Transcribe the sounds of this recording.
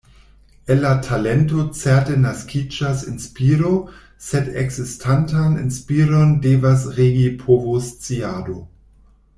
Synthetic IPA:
enlatʰalentot͡sɛɐtenaskʰid͡ʒasinspiːɾo | sedḛksistʰantanḭnspiɾondeːvas̬ʁeːɡipʰovost͡siado

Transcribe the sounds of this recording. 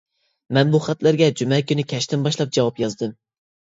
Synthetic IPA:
mɛnbuχæt̪læɾɡʲɛd͡ʒumɛkʲynɪkʲʰɛʃt̪ɪnbɑʃlˠɑp̚d͡ʒɑwɑpjɑzd̪ɨm

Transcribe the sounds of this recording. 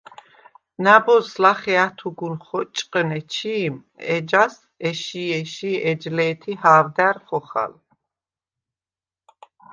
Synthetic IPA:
nabɔslaχɛat̪ʰuɡunχɔt͡ʃʼqʼənɛt͡ʃʰiːmɛd͡ʒas | ɛʃiɛʃiɛd͡ʒlɛːt̪ʰihaːvd̪æɾχɔχa̰l

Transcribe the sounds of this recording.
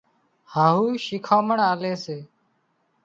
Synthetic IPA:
haːɦuːʃiːkʰaːməɳaːleːseː

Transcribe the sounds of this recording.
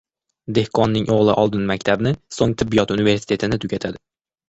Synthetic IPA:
d̪e̞hkʰɒnːɪŋʔoʁlˠɪʔɒlˠd̪ɪnmak̚ʲt̪ʰabnɪsoŋt̪ʰɪbːijɒt̪unive̞ɾsi̥t̪ʰe̞t̪ʰɪnɪt̪ʰʊɡʲat̪ʰad̪ɪ

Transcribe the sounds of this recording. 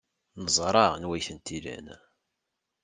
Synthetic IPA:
nəzˤɾˤɑʁnwæjθənt̪ilæ̰n

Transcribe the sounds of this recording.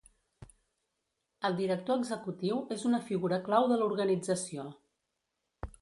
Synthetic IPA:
əlˠd̪iɾək̚t̪oəɡzəkut̪iwezunəfiɣuɾəklawðəluɾɣənid͡zəsio

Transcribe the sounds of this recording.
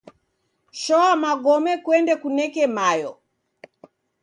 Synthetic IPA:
ʃɔamaɡɔmɛkwɛndɛkunɛkɛmajɔ

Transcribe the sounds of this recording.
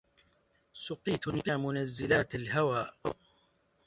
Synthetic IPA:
sʊqiːt̪nkaːmʊnazːɪlaːt̪alɦawaːʔ

